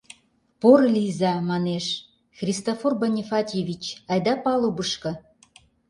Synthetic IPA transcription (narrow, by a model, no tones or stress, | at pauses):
porlʲizɑmɑneʃ | xrʲist̪oforbɑnʲifɑt̪ʲevʲit͡ɕɑjd̪ɑpɑlubəʃkɤ̆